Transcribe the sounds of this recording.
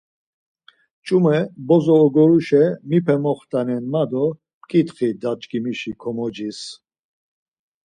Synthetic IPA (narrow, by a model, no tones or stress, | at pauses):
t͡ʃʼumɛbɔzɔːɡɔɾuʃɛmipʰɛmɔχt̪ʼanɛnmad̪ɔ | pkʼit̪χid̪at͡ʃʼkʼimiʃikʰɔmɔd͡ʒis